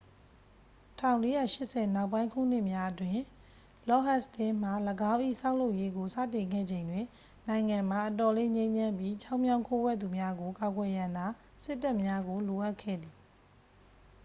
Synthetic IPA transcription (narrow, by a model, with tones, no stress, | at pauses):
tʰã˨ʊ̃le˦jä̰˦˨ʃɪ˦ʔsɛ˨na˦ʊpːã˦ɪ̃ŋkʰṵ˦˨n̥ɪ˦ʔmja˦ʔətwɪ̃˨ | lɔ˦˨ɦa˦˨stɪ̃˦m̥a˨ləɡã˦ʊ̃ʔḭ˦˨sã˦ʊ̃lo˦ʊʔje˦ɡo˨sä̰˦˨tɪ̃˨ŋɡɛ̰˦˨d͡ʑẽ˨ɪ̃ndwɪ̃˨ | nã˨ɪ̃ŋã˨m̥a˨ʔətɔ˨le˦ɲẽ˦ɲã˦mbji˦t͡ɕʰa˦ʊʔmjã˦ʊ̃ŋkʰo˦wɛ˦˨t̪u˨mja˦ɡo˨ka˨ɡwɛ˨jã˨nd̪a˨ | sɪ˦tːa˦ʔmja˦ɡo˨lo˨ʔa˦ʔkʰɛ̰˦˨d̪i˨